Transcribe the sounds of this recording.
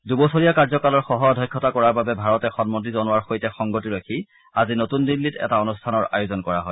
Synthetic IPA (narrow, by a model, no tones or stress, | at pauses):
dubɔsoɹijakaɹzɔkalɔɹxɔɦɔɔdʱɔjkʰːɔtakɔɹaɹbabɛbʱaɹɔtɛxɔnmotizɔnʊwaɹxojtɛxɔŋɡotiɹakʰi | azinotundilːitɛ̰taonustʰanɔɹa̰juzɔnkɔɹa̰ɦɔj